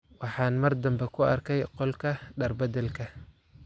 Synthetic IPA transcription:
wɑħɑːnmɐrd̪ɐmbɛkʰʊɐrkʰɛjqɔlkʰɐɖɐrbɐd̪ɛlkʰɐ

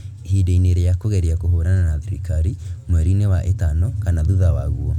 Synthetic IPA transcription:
hideineɾɛjakoɣɛɾiakoɦoːɾananaðiɾikaɾimwɛɾinewaʔetanɔkanaðuðawaɣuɔ

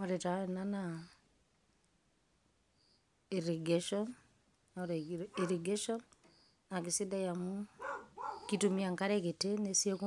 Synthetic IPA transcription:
oɾetanana | iɾeɡeʃɔn | ɾiɾiɡeʃɔn | akisidajamu | kitumiaŋkaɾeketenesieku

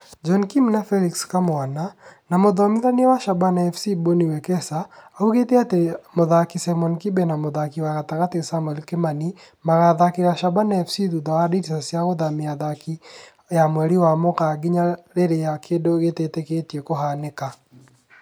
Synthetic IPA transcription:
d͡ʒɔnkimnafɛlikskamoananamoðɔmɪðanwaʃabanaɛfsiboniwɛkɛsaauɣeteatɛmoðakisɛmɔnkibenamoðakiwaɣataɣatesamwɛlkemani | maɣaðakiɣaʃabanaɛfsiðuðɔaditisasjaɣoðamijaðaki | jamwɛɾiwamokaɡiɲaɾeɾejakʰedoɣeteteketjekoɦaneka

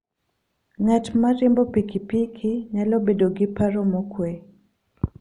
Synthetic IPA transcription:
ŋatmaɾimbɔpikipikʰiɲalɔbedɔɡipaɾɔmɔkwe

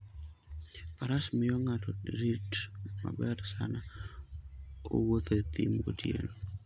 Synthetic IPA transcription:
paɾasmɪɔŋatɔɾitma̰bɛɾsa̰na | o̰wot̪et̪ḭmɡo̰tjḛl

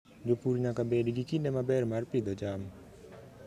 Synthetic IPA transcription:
d͡ʒopuɾɲakabɛɖiɡikinɛmabɛɾmarpid̪ɔd͡ʒam

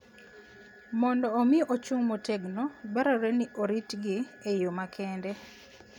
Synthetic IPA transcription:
mɔndɔːmɪʔot͡ʃuŋmotɛɡnobaɾɔɾɛnɪʔoɾitɡɪejomakʰɛndɛ

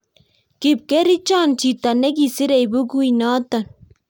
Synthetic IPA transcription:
kib̚keɾit͡ʃaːnt͡ʃit̪ɐneɡisiɾejbuɡuinaːt̪ɐn

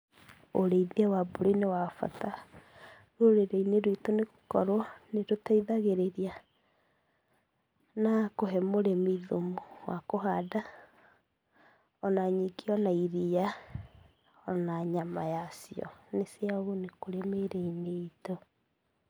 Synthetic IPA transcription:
o̰ɾeiðiawaboɾinewafa̰ta | ɾoɾeɾeineɾoitoneɣo̥kɔɾwɔneɾotaiðaɣeɾeɾia | nakoɦɛmoɾemiðomowakoɦada | ɔnaɲiɡeɔnaiɾija | ɔnaɲamajasiɔ̰neseaɣonekoɾemeɾeineito

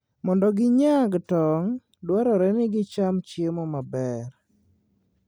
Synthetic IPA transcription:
mɔndɔɡɪɲaɡtɔŋ | dwaɾɔɾɛnɪɡɪt͡ʃamt͡ʃjemɔmabɛɾ

